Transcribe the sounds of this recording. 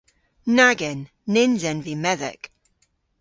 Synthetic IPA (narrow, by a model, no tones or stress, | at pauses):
naɡɪnː | ɪnzɛ̃nvimɛðɪ̰k